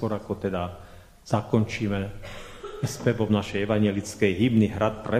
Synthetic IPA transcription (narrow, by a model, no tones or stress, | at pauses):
ɔɾakɔt̪ɛd̪a | z̥akɔnt͡ʃiːmɛ | ɛspɛbɔbnaʃɛjɛʋaɲjɛlit͡skɛjɦibniɦɾat̪̚pɾɛ